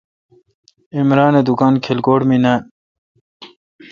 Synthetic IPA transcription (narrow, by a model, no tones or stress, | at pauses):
imɾaːned̪ukaːnkʰelkoːɽminan